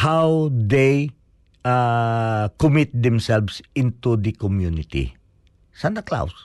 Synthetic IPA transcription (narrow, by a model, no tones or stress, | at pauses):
hawd̪ej | a | kʊmɪt̪̚d̪ɛ̃msɛlvsɪ̃nt̪ud̪əkɔmjunɪt̪ḭ | sand̪ɐkla̰ws